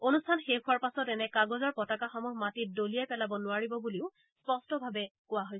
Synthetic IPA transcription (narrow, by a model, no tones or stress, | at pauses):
onustʰanxekʰʊaɹpasɔtɛnɛkaɡɔzɔɹpɔtakaxɔmuɦmatit̚dolijɛpɛlabɔnʊaɹibɔbuliʊ | spɔstɔbʱabɛkʊaɦoj